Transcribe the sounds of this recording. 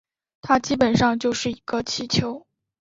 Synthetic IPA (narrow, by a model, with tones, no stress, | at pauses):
t̪ʰa˥t͡ɕi˥pə˨˩nʂɑ˥˧ŋt͡ɕjo˥˧ʊʂɻ̩˥˩i˧˥ɡə˧t͡ɕʰi˧˥t͡ɕʰjo˧˥ʊ